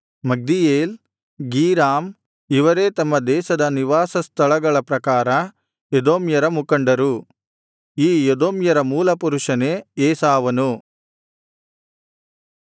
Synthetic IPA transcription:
mɐɡ̚d̪ijeːl | ɡiːɾaːm | iʋɐɾe̞ːt̪ɐmːɐd̪ɛːʃɐd̪ɐniʋaːsɐst̪ʰɐɭɐɡɐɭɐpɾɐkaːɾɐ | jed̪oːmjɐɾɐmukɐɳɖɐɾu | iːjed̪oːmjɐɾɐmuːlɐpuɾuʂɐneeːsaːʋɐnu

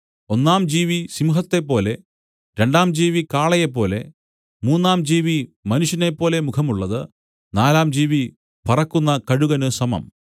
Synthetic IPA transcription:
onːaːmd͡ʑiːʋisimuɦɐt̪ːe̞pːo̞ːle̞ | ɾe̞ɳɖaːmd͡ʑiːʋikaːɭɐjep̬ːo̞ːle̞ | muːnːaːmd͡ʑiːʋimɐnuʂjɐne̞pːo̞ːle̞mukʰɐmuɭːɐðɨ | naːlaːmd͡ʑiːʋi | pɐrɐkːunːɐkɐɻuɣɐnɨsɐmɐ̰m

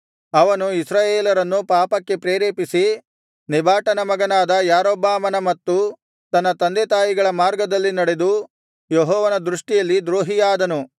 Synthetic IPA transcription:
ɐʋɐnuisɾaːjeːlɐɾɐnːupaːpɐkːe̞pɾeːɾeːpisi | nibʱaːʈɐnɐmɐɡɐnaːd̪ɐjaːɾɔbaːmɐnɐmɐt̪ːu | t̪ɐnːɐt̪ɐnd̪et̪aːjiɡɐɭɐmaːɾɡɐd̪ɐlːinɐɽe̞d̪u | jeɦɔːʋɐnɐd̪ɾuʂʈijɐlːid̪ɾoːɦijaːd̪ɐnu

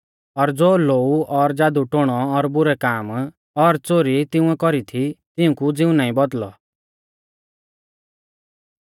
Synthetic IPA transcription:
ɔɾd͡zoːloːuʔɔɾd͡zaːd̪uʈoɽ̃ɔːɾbʊɾɛkaːm | ɔɾt͡soɾit̪ɪũɛkɔɾit̪ʰit̪ɪũkud͡zɪũnaːĩbɔd̪lɔ̰

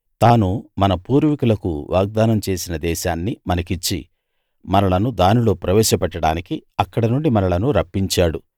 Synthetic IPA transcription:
t̪aːnumɐnɐpuːɾʋikulɐkṵʋʔa̰ːɡ̚d̪aːnɐmt͡ʃe̞ːsinɐd̪ɛːʃaːnːimɐnɐkit͡ʃːḭ | mɐnɐlɐnud̪aːnilo̞ːpɾɐʋɛːʃɐpɐʈːɐɽaːnikiɐkːɐɽɐnuɳɖimɐnɐlɐnuɾɐpːiɲt͡ʃaːɽu

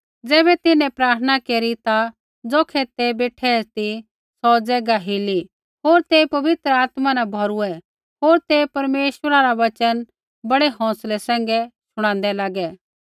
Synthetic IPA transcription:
d͡zɛːbɛt̪ɪnɛ̃pɾaːɾt̪ʰənakeːɾit̪a | d͡zoːkʰɛt̪ebeːʈʰɛt̪i | sɔːd͡zɛːɡaɦili | ɦoːɾt̪epɐʋɪt̪ɾəaːt̪manabʱɔɾuɛ | ɦoːɾt̪epɐɾmeːʃwəɾaɾaʋɐt͡ʃən | bɐɽɛɦɔ̃ːslɛsɛ̃ːŋɡɛt͡ʃʰʊɽ̃ãːnd̪ɛlaːɡɛ

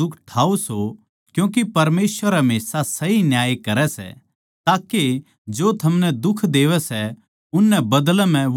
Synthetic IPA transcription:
ʊkʰʈʰaːoso | kjũːkipɐɾmeːsʋəɾɛmeːsasɐɦinjaːjekɐɾɛsɛ̰ | t̪aːke | d͡ʒoːt̪ʰɐmnɛd̪ʊkʰd̪eːʋɛsɛ | ʊnːɛbɐd̪lɛm̤ɛ̃

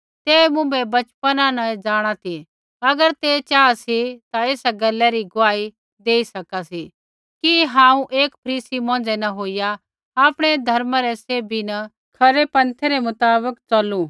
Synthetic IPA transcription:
t̪eːmʊ̃bɛbɐt͡ʃpənãnɐd͡zaːɽ̃at̪ʰi | ɐɡəɾt̪et͡ʃaːasit̪aeːsaɡɐlːɛɾiɡʊʋaːi | d̪eːisɐkasi | kiɦãːũʔeːkpʰɐɾiːsimɔ̃ːnd͡zɛnɐɦoːija | aːpɽ̃ed̪ʱɐɾmaɾɛseːbʱinɐ | kʰɐɾepɐ̃nt̪ʰeɾemʊt̪aːbəkt͡sɐlu

